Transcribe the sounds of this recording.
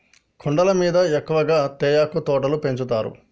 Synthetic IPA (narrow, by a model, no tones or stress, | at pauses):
kʰɔɳɖɐlɐmiːd̪ɐekːuʋɐɡaːt̪ɛːjaːkut̪ɔːʈɐlupe̞ɲt͡ʃut̪aːɾṵ